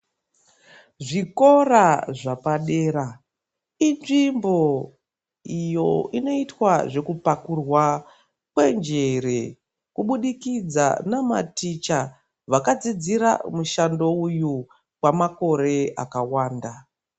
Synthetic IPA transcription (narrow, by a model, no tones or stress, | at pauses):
ʐiko̞raʐapaɗe̞ːɾa | inʐimbo̞ | ijo̞ino̞itwaʐe̞kupakurwa | kwe̞nd͡ʒe̞re | kuɓuɗikid͡za̰nama̰tit͡ʃa | ʋakad͡zid͡ziɾa̰muʃando̞uju | wamako̞ɾe̞a̰kawaːnda